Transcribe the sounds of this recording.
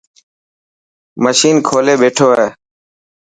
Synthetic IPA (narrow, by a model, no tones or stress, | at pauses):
məʃiːnkʰoːleːɓeːʈʰoːeː